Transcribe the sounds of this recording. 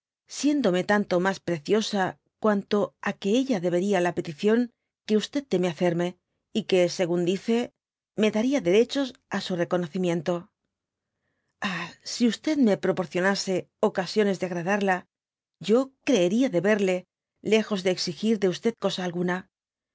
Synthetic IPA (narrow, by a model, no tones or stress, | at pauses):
sje̞nd̪o̞me̞t̪ant̪o̞maspɾe̞θjo̞sa | kwant̪o̞ake̞eʎaðe̞β̞e̞ɾialape̞t̪iθjo̞ŋ | ke̞ust̪e̞t̪̚t̪e̞meaθe̞ɾme̞ | ike̞se̞ɣund̪iθe | me̞ðaɾiaðe̞ɾe̞t͡ʃo̞sasure̞ko̞no̞θimjẽ̞nt̪o̞ | asiust̪e̞ðme̞pɾo̞po̞ɾθjo̞nase̞ | o̞kasjo̞ne̞zðe̞aɣɾaðaɾla | ɟ͡ʝo̞kɾe̞ːɾiaðe̞βe̞ɾle̞ | le̞xo̞zðe̞ːksixiɾðe̞ust̪e̞ð̥ko̞saːlɣuna